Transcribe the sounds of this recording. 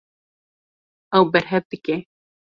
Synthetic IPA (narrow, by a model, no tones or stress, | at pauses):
ɐwbɛɾɦɛv̚d̪ɨke